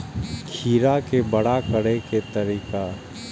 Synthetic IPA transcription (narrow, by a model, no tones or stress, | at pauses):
kʰiːɾakebɐɽ̤akəɽeket̪ɐɾiːka